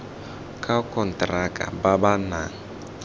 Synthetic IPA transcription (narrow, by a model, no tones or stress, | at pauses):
kʰʼakʰʼɔn̩tʼrakʼa̰babanaŋ̩